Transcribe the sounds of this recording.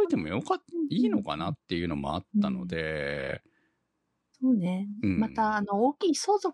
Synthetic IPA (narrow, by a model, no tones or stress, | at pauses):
it̪e̞mo̞̰jokaiːno̞ka̰nat̪ːe̞jɯ̟no̞mo̞̰a̰t̪ːano̞̰d̪e̞ | soːne̞ɯ̃mat̪aːno̞oːkʲiːso̞ːzo̞